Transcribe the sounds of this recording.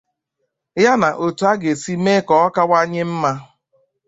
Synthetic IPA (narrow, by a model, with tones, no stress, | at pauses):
ja˦na˨ʔo˨tu˨˦a˦ɡe˨si˦me˦kɔ˦ɔ˦ka˦wa˦ɲɪ˦m̩˦ma˦